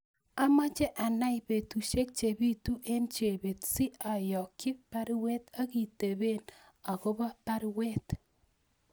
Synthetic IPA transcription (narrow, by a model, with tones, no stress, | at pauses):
a˦ma˦t͡ʃe˦ʔa˨na˦ibe˨tu˨ʃe˦k̚t͡ʃe˨bi˦tu˦ʔe˦nt͡ʃe˨be˨tsi˦a˨jɔ˨kːɪ˦pa˦ɾwe˦t̪a˦ki˨te˨be˦n | a˨ko˦ba˦pa˦ɾwe˦t